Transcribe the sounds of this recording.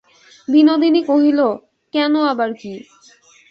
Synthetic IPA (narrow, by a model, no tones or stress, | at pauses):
binod̪ʱinikoɦilo | kɛnoabaɾki